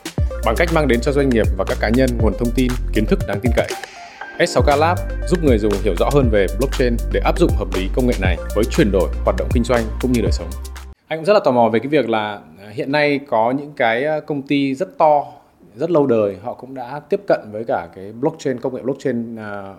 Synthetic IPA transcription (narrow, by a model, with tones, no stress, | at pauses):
ɓa˨˩ŋka˦˥k̟̚maː˧ŋɗe˨˦nt͡ɕɔ˧zwa˧jŋ̟ŋi˨˩əp̚vaː˨˩kaː˦˥kːaː˨˦ɲə˧nŋu˨˩ənt̪ʰə˧wŋ͡mt̪i˧nki˨˦ənt̪ʰɨ˦˥k̚naː˨˦ŋt̪i˧nkə̰˧˨j | ʔɛ˦˥t̚sa˨˦wkaː˧laː˦˥p̚zu˦˥p̚ŋɨ˨˩əjzʊ˨˩ŋ͡mhi˧˩əwzɔ̰˧˥ɦəː˧nve˨˩ɓlɔ˦˥k̚t͡ɕe˧nɗe˧˩ʔaː˦˥p̚zʊ̰˧˨ŋ͡mhəː˨˩p̚li˨˦kə˧wŋ͡mŋḛ˧˨na˨˩jvəː˨˦jt͡ɕwi˨˩ənɗo˧˩jɦwa˨˩t̚ɗə̰˧˨wŋ͡mkï˧ŋ̟zwa˧jŋkʊ̰˧˥ŋ͡mɲɨ˧ɗəː˨˩jsə˨˦wŋ͡mʔa˧jŋkzlaː˨˩t̪ːmɔ˨˩ve˨˩kaː˨˦jvi˨˩ək̚laː˨˩ | hḭ˧˨ənːa˧jkɔ˨˦ɲɨ̰˧˥ŋkaː˨˦jkə˧wŋ͡mt̪i˧zə˦˥t̚t̪ɔ˧ | zə˦˥t̚lə˧wɗəː˨˩jɦɔ̰˧˨kʊ̰˧˥ŋ͡mɗa̰ː˧˥t̪i˦˥əp̚kə̰˧˨nvəː˨˦jkaː˧˩kaː˨˦jɓlɔ˦˥k̚t͡ɕe˧nkə˧wŋ͡mŋḛ˧˨ɓlɔ˦˥k̚t͡ɕe˧n˩